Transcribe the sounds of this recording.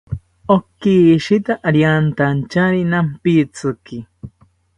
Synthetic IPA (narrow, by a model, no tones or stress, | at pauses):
okːiʃit̪aʔaɾjant̪ant͡ʃaɾinampit͡sɨki